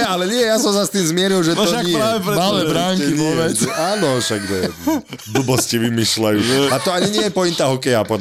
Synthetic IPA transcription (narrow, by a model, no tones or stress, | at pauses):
alɛɲɪɛɛjasɔmsast̪iːmzmɪɛɾilˠʒɛt̪ʃakɲɛjɛɾaʋɛɾmalɛbɾaːŋɛiɲɔʋɛʒɛʔaːnɔʃaɡd̪ɔd̪ubɔsciʋimiʃlajuːat̪ɔaɲiɲɪɛjɛpɔint̪aɦɔkɛjapɔd̪